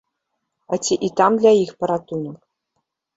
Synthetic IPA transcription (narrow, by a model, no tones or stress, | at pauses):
atʲiʔit̪amd̪lʲaixpɤ̆ɾat̪unɤ̆k